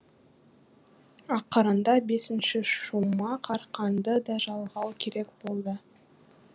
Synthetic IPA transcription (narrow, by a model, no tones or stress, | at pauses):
ɑqːəɾənd̪ɑbe̞sɪnʃɪʃumɑqʰɑɾqʰɑnd̪əd̪ɑʒɑlˠʁɑwkʲʰe̞ɾe̞kb̥o̞lˠd̪ə